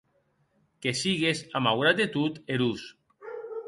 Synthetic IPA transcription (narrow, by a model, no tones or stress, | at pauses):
kesiɣezamawɣɾad̪et̪ut̪eɾus